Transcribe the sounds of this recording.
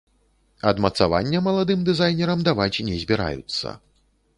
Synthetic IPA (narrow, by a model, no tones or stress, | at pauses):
ɐd̪mɐt̪sava̰nʲːɛmɐlˠad̪ɨmd̪ɨzajnʲɛɾɐmd̪avat͡sʲnʲɛzʲbʲɛɾa̰jṵt̪sːɐ̰